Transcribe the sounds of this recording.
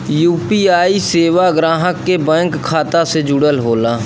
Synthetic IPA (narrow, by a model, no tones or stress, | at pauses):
juːpiːaːiseːʋaɡɾãːɦəkːebɛ̃ːŋkʰːaːt̪ased͡ʒʊɽəlɦoːlaː